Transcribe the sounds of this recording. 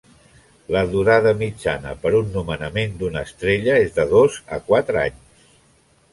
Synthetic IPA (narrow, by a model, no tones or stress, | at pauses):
ləðuɾaðəmid͡ʒanə̰pəɾunːumənəmend̪unəst̪ɾeʎəezðəðozə̰kwat̪ɾəa̰ɲs